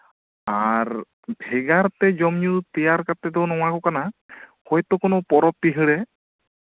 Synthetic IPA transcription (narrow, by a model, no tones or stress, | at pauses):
aɾ | bʱɛɡaɾt̪ɛd͡ʒɔmjut̪ijaɾkat̪ːɛt̪ɛwnɔw̃akɔkanahɔjt̪ɔkɔnɔpɔɾɔp̚t̪iɦɛɭɛ